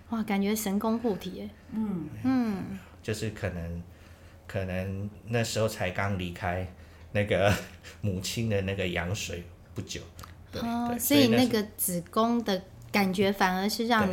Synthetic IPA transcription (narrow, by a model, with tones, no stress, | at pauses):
wa˥˩ka˨˩nt͡ɕɥɛ˧˥ʂə˧˥nko˥ŋxu˥˩t̪ʰi˨˥˦ | n̩˥˩ | t͡ɕjo˥˧ʊʂɻ̩˥˩kʰə˨˩nə˧˥ŋ | kʰɤ˨˩nə˧˥ŋna˥˩ʂɻ̩˧˥xo˥˧˩t͡sʰa˧˥ɪkɑ˦˥ŋli˧˥kʰa˥ɪ | na˥˩ɡə˩mu˨˩t͡ɕʰi˥nd̪ə˨na˥˩ɡə˩jɑ̰˧˥ŋʂwe˨˩˦ɪ | pu˥˩t͡ɕjo˨˩˦ʊ | eɔ˥˩˧sɔ˧˥i˨˩na˥˩ɡə˩t͡sɹ̩˨˩kʊ˥ŋd̪ə˨ | ka˨˩nt͡ɕɥɛ˧˥fa˨˩nə˧˥ʂɻ̩˥˧ɻɑ˥˩ŋn